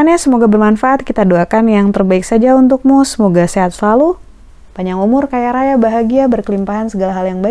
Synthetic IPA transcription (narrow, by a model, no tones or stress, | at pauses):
anɲasəmoɡabərmanfaʔat̪̚kit̪aduakanjaŋt̪ərbaɪksad͡ʒaunt̪̬ʊk̚mɔsəmoɡaseɦat̪̚səlalu | paɲaŋumʊrkajaɾajabaɦaɡiabərkəlimpaɦansəɡalaɦaljaŋba